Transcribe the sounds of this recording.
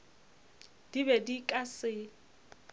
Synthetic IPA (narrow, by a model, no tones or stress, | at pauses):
d̥ibɛdikʼasɪ